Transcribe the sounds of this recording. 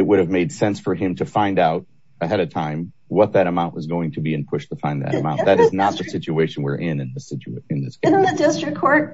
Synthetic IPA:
ɨt̚wʊɾɨvmeɪd̥sɛ̃nsfə˞ɨ̃mtʰɨfãɪ̃ndaʊɾ | ɨɦɛɾʌv̥tʰãɪ̃m | wʌt̪̚ðɨɾɨmãʊ̃nʔwʌzɡoʊɪ̃ŋtʰɨbiɨ̃npʰʊʃtʰəfãɪ̃nðɨ̰ɾɨ̰mãʊ̃nðɨɾɨznət̪̚ðɨsɪt͡ʃʉeɪʃɨ̃n̩wɪɹʔɪ̃nɨ̃nðɪsɪt͡ʃɨ̃nðɪsɪ̃nn̩ðɨdɪstɹ̥ɨkʰɔɹt̚

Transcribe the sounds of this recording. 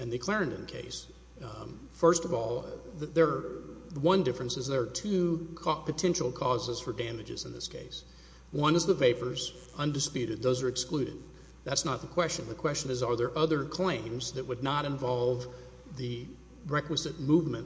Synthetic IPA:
ɨ̃nðɨkʰl̥ɛɹɨ̃ndɨ̃nkʰḛɪs | fɜ˞stʌvɔlˠððə˞wʌ̃ndɪfɹɨ̃nsɨzðə˞ːtʰʉpʰɨtʰɛ̃nʃl̩ˠkʰɔzəz̥fə˞dæmɨd͡ʒɨ̰zɨ̃n̩ðɪ̰skʰḛɪs | wʌ̃nɨzðəveɪpə˞z | ʌ̃ndɨspjʉɾɨd̪̚ðoʊzə˞ɨksklʉɾɨ̰d̪̚ | ðætsnət̪̚ðəkʰw̥ɛst͡ʃɨ̃nðɨkʰw̥ɛst͡ʃɨ̃nɨzə˞ðə˞ʔʌðə˞kʰl̥ẽɪ̃mzðɨʔ̚wɨdⁿnəɾɨ̃ɱvɑlˠv | ðɨ | ɹɛkwɨzɨt̚muvmɨ̃n

